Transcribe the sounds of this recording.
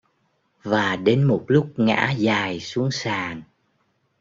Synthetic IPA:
vaː˨˩ɗe˨˦nmo˨˩t̚lʊ˦˥k͡p̚ŋa̰ː˧˥zaː˨˩jsu˨˦əŋsaː˨˩n

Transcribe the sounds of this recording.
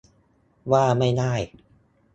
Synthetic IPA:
waː˥˩ma˥˩jnaː˥˩j

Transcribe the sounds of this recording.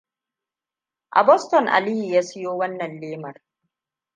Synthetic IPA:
ʔa̰˨bɔ˦stɔ˨ŋʔa̰˨liː˦ji˨jaː˦sɪ˦joː˦wɐ˦nːɐ˨nleː˦mɐ˨r

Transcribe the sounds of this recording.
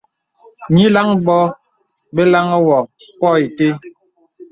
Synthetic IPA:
ɲi˦la˦ŋbɔ˦ | be˦la˦ŋɔ˦wɔ˨ | pɔ˦i˨te˦

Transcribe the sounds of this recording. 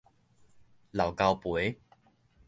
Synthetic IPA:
la˨˩wka˧wpwe˨˦

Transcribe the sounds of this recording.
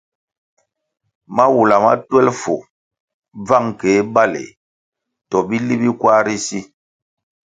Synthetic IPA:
ma˦wu˨la˨ma̰˦twɛ˦lfo˨ | b͡va˦˨ŋke˨˦ba˦lḛ˨ | tɔ˨bi˦li˦bi˦kwa˦ɾi˦si˦

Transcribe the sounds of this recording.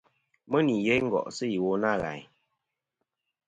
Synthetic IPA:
mə˦ni˨je˦ŋ̩˦ɡɔ̰˨ʔsɨ˦ji˨wo˨˦na˦˨ɣa̰˨j

